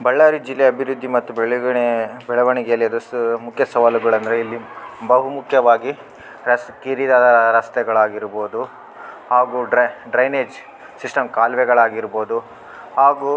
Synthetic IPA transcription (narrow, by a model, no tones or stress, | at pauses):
bɐɭːaːɾid͡ʒilːeɐbʱiɾud̪ʱːimɐt̪ːubɛɭɡbɛɭɐʋɐɳɛɡjɐlːiɐd̪ɐstumukʰjɐsɐʋaːluɡɐɭɐnd̪ɐɾeilːibɐɦumukʰjɐʋaːɡi | ɾɐskiɾid̪ad̪ɐɾɐst̪ɛɡɐɭaːɡiɾboːd̪u | haːɡuɖɐɖɾɐjneːd͡ʒ | sisʈɐmkaːlʋɛɡɐɭaːɡiɾboːd̪u | haːɡuː